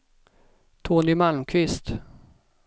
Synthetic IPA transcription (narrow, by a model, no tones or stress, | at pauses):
t̪ʰoːnɪmalmkʰvɪst̪